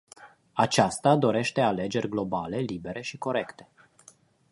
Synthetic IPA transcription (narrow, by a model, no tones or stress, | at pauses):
at͡ʃast̪ad̪o̞ɾe̞ʃt̪e̞ale̞d͡ʒe̞rʲɡlo̞bale̞libe̞ɾe̞ʃiko̞ɾe̞kt̪e̞̥